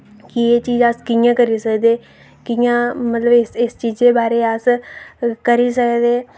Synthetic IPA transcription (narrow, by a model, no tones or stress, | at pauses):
kɪeːt͡ʃiːzaskɪjãːkəɾiːsəkd̪eː | kɪjãːmət̪ləbɪsɪst͡ʃiːzd̪eːbaːɾeːas | kəɾiːsəkd̪eː